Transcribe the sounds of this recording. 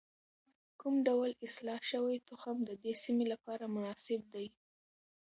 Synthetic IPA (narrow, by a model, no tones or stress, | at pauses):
kumɖawlɪslɑʃəwajt̪ʊxamd̪əd̪esimelapɑɾamʊnɑsɪb̚d̪aj